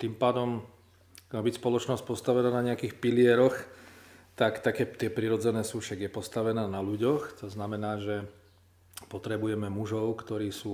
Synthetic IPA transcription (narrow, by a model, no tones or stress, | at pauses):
t̪impaːd̪ɔm | maːbicspɔlɔt͡ʃnɔsc̚pɔst̪aʋɛnaːnaɲɛakiːxpilɪɛɾɔx | t̪akt̪akɛːt̪ɪɛpɾiɾɔd͡zɛnɛːsuːfʃaɡjɛpɔst̪aʋɛnaːnaluɟɔxt̪ɔznamɛnaːʒɛ | pɔt̪ɾɛbujɛmɛmuʒɔʊkt̪ɔɾiːsuː